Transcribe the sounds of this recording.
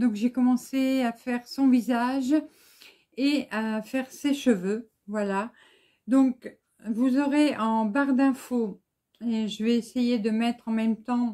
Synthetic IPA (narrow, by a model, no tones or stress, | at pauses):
d̪ɔ̃kʒekɔmɑ̃seafɛʁsɔ̃vizaʒ | eafɛʁseʃəvø | vwala | d̪ɔ̃k | vuzɔʁeə̃baʁd̪ɛ̃fo | eʒəvɛːsejed̪əmɛt̪χɑ̃mɛmt̪ɑ̃